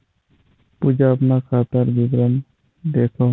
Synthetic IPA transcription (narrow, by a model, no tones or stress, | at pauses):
pud͡ʒaapnakʰat̪aɾbibɾan | d̪ekʰɔ